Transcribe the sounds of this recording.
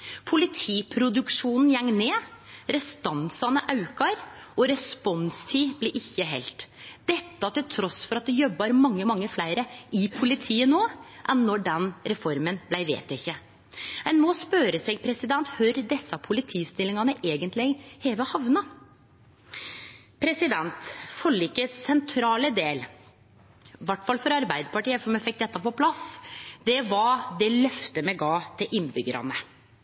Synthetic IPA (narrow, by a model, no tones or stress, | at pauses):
pʰʊlɪt̪ʰiːpʰɾʊd̪ʉkʂuːnn̩jɛŋːneːɾɛst̪ɑnsɑnəʔɑʉkɑɾɔɾɛspɔnst̪ʰiːblɪʔɪçːəɦɛ̰lt̪d̪̥ɛt̪ːɑt̪ɪlt̪ʰɾɔsfɔɾɑt̪̚d̪ɛjɔbːɑɾmɑŋːəmɑŋːəflæɪɾəɪpʰʊlɪt̪ʰiːənoːʔɛnːɔɖɛnɾɛfɔɾmənblæɪʋḛːt̪jæɪçːə | ɛnmɔspøːɾəsɛɡpʰɾɛsɪd̪ɛnt̪hʉɾd̪ɛsːɑpʰʊlɪt̪ʰiːst̪ɪlːɪŋɑnəʔeːɡənt̪lɪhɛːʋəhɑʋnɑ | pʰɾɛsɪd̪ɛnt̪fɔlːɪkːəsɛnt̪ʰɾɑːləd̪eːl | ʋɑʈːfɑlfɔɾɑɾbæɪd̪əpɑʈiːəfɔmɛfɪk̚ːd̪ɛt̪ːɑpɔpʰlɑsd̪ɛʋɑd̪ɛlœft̪əmɛɪɡɑːt̪ʰɪlʔɪnbʏɡəɾɑ̰nə